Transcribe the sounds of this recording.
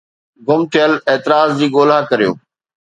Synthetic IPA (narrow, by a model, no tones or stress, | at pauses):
ɡʊmt̪ʰɪjəleːt̪ɪɾaːzd͡ʑiːɡoːl̤akɐɾijo̰ː